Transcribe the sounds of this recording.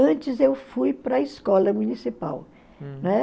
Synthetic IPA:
ɐ̃nt͡ʃɪzewfujpɾɐɪskɔlɐmũnisipa̰w | ñɛ

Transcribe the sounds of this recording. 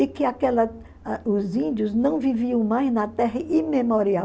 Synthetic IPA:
ɪkɪakɛlɐ | ʊzĩnd̪ʊznɐ̃w̃viviɐ̃w̃majznɐt̪ɛɦɐimemoɾia

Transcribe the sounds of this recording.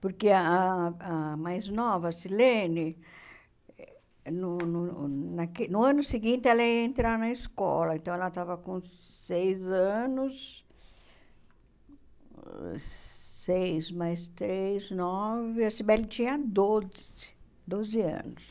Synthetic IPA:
poɾkeɐaamajznɔvɐsilẽnɪ | nʊnʊnɐkenʊɐ̃nʊsiɡĩnt̪ɪɛlɐiẽnt̪ɾanɐiskɔ̰lɐẽnt̪ɐ̃w̃ɛlɐt̪avɐkõ | sejzɐ̃nʊs | sejzmajst̪ɾejznɔvɪɐsibɛlɪt͡ʃĩɲɐd̪ozɪ | d̪ozɪɐ̰̃nʊs

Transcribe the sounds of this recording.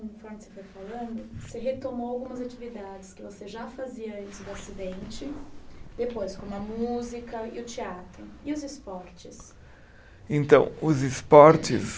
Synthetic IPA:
fɐ̃nɪsefojfalɐ̃nd̪ʊseɦet̪omoawɡũmɐzat͡ʃivid̪ad͡ʒɪskɪvoseʒafaziɐĩsʊd̪ʊasid̪ẽnt͡ʃɪd̪̥epojskõɐmuzikɐɪʊt͡ʃeat̪ɾʊɪʊzispɔɾt͡ʃɪs | ẽnt̪ɐ̰̃w̃ʊzispɔɾt͡ʃɪ̰s

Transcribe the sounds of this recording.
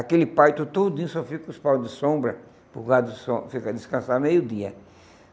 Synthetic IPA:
akelɪpajt̪ʊt̪od̪d̪ĩsɔfikʊspawd̪ɪsõbɾɐ | puɡad̪sõfikɐd̪ɪskɐ̃samejʊd̪iɐ̰

